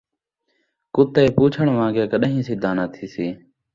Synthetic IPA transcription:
kʊt̪eːpuːt͡ʃʰəɳʋãːɡeːkəɗɦĩːsiːd̪ʱaːnaːt̪ʰiːsiː

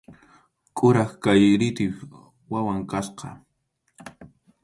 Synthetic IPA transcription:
kʼʊɾɑχkajɾɪt̪ɪp | wawaŋkasqɑ̰

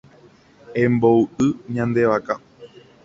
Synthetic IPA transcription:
ẽmboɨʔɨɲãnd̪e̞ʋaka

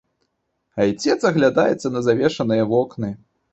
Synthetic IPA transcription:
ɐjt͡sʲɛt̪sɐɣlʲad̪ajɛt̪sːɐnɐzavʲɛʂɐnɨjɐvɔknɨ

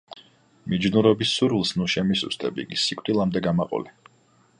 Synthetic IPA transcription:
mid͡ʒnuɾɔbisːuɾvilˠsnuʃɛmisṵst̪ʼɛbḭɡisikʼt̪ʼilˠamd̪ɛɡamaqʼɔ̰li

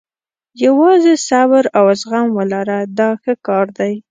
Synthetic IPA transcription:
jawɑzesabɾawasɣamwəlaɾad̪ɑxəkɑɾd̪aj

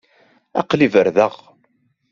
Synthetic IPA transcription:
ɑ̰qlivəɾðəʁ

